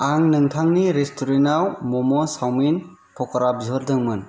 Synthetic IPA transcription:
aŋnɯŋtʰaŋniɾestʰuɾenawmɔmɔsawmin | pʰɔkɔɾap̚zɯɾdɯŋmɯn

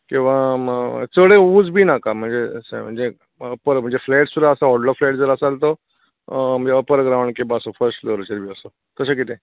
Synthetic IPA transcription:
kĩʋa | t͡səɽeuːd͡zbʱinakam̤ə̃ɳd͡zesm̤ə̃ɳd͡ze | əpəɾm̤ə̃ɳd͡zefʰlɛːʈssuɾaəsaɦoːɖlɔflɛːʈd͡zəɾasalt̪o | m̤ə̃nd͡zeəpəɾɡɾãwʊ̃ɳɖkebasofəɾsʈloːɾt͡ɕəɾbʱiːəso | t̪əsak̬ɪt̪ẽ

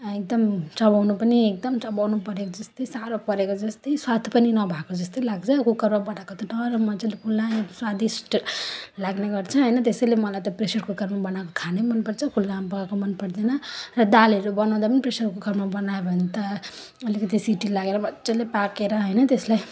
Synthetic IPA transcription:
ek̚d̪ʌmt͡sʌbawnupʌniek̚d̪ʌmt͡sʌbawnupʌɾekod͡zʌst̪ʌjsaɾopʌɾekod͡zʌst̪ʌjswat̪ʰpʌninʌbʱakod͡zʌst̪ʌjlaɡt͡sʰʌkukʌɾmabʌnakot̪ʌʈʌrʌmʌt͡selekʰulːaswad̪isʈlaɡneɡʌrt͡sʰʌɦʌjnʌt̪esʌjlemʌlajt̪ʌpresʌɾkokʌrmabʌnakokʰanemʌnpʌɾt͡sʰʌkʰulːapaakomʌnpʌɾd̪enʌrʌd̪alɦʌɾubʌnaw̃d̪apʌnipresʌrkokʌrmabʌnaebʱʌnt̪ʌ | ʌlikʌt̪̬isiʈilaɡeɾʌbʌt͡selepakeɾʌɦʌjnʌt̪eslaj

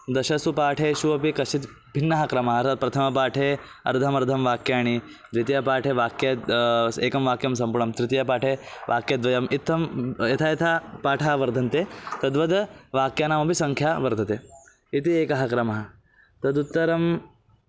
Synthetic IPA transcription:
d̪ɐʃɐsupaːʈʰeːʃuʋɐpikɐʃit̪ | bʱinːɐɦɐkɾɐmɐɦɐɾt̪ɐpɾɐt̪ʰɐmɐpaːʈʰeː | ɐ̰ɾd̪ʱɐmɐɾd̪ʱɐmʋaːkjaːɳ̃i | d̪ʋit̪ijɐpaːʈʰeːʋaːkjɐeːkɐmʋaːkjɐmsɐmpuɳɐmt̪ɾɪt̪jɐpaːʈʰeːʋʔaːkjɐd̪ʋɐjɐmit̪ːɐmjɐt̪ʰajɐt̪ʰaːpaːʈʰaːʋɐɾd̪ʱɐnt̪eːt̪ɐd̪ʋɐd̪ʋaːkjaːnaːmɐpisɐŋkʰjaːʋɐɾd̪ʰʱɐt̪eː | it̪ieːkɐɦɐkɾɐmɐɦɐ̆ | t̪ɐd̪ut̪ːɐɾɐm

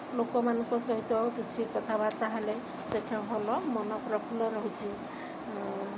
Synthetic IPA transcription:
lokɔmanɔŋkɔsɔɦit̪ɔbut͡ʃʰikɔt̪ʰabaɾt̪aɦele | setʰaɦɔlɔmɔnɔkɾɔpʰulɔɾɔɦit͡ʃʰi

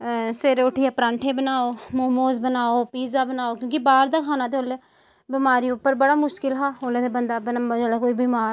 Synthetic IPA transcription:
seɾoːʈʰiːaːpɾãːɳʈʰeːbənaːoːmoːmoːzbənaːoːpiːzaːbənaːoːkjõːkɪbaːɾd̪aːkʰaːnaːt̪̬eoːlɛː | bɪmaːɾiːʊpːəɾbəɽaːmʊʃkɪlɦaːɦoːleːt̪ebənd̪aːbənd͡ʒɛːlakoːiːbiːmaːɾ

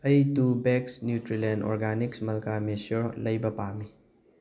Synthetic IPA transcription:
ɐjtubeksnjutɾilendɔ̰ɾɡaniksmɐlkamesoɾlɐjbɐpami

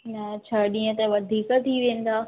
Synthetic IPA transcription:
nɐt͡ɕʰaːɗĩːə̃t̪ɐʋɐd̪ʱiːkt̪ʰiʋẽːn̆d̪aː

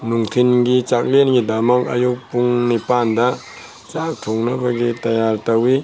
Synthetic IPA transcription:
nuŋtʰinɡit͡ʃak̚lenɡidamaŋa̰juk̚puŋnipanda | t͡ʃak̚tʰɔŋnabaɡitajaɾtawi

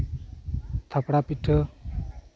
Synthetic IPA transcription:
t̪ʰapɽapiʈʰːə

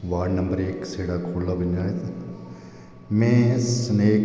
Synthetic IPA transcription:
ʋaːɖnɐ̃mbəɾeːkseːɽakʰoːɽlabɐnd͡ʒaːet̪ | mɛ̃ːsneːk

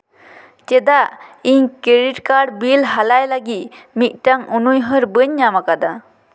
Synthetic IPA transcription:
t͡ʃɛd̪aiɲkeɾiʈkaɖbilɦalajlaɡit̪mit̪̚ˀʈaŋunujɦəɾbəɲːamakad̪a

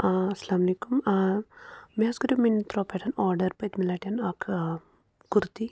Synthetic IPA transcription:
aɐsɐlaːmɐleːkum | miasɡɐɾumint̪ɾoːpeʈʰɐnɔːɾɖɐɾpɐjt̪milaːʈjɐnɐkʰ | ɡuɾt̪i

